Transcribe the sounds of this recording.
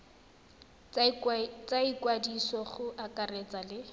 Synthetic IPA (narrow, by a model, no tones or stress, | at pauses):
t͡sʼaikwadisɔχʊʔakaret͡sʼalɪ